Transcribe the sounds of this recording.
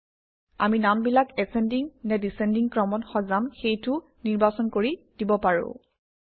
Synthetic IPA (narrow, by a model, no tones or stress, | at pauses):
a̰minambilakɛsɛndiŋnɛdisɛndiŋkɹɔmɔnxɔzamxejtʊ | niɹbasɔnkoɹidibɔpaɹʊ̰̃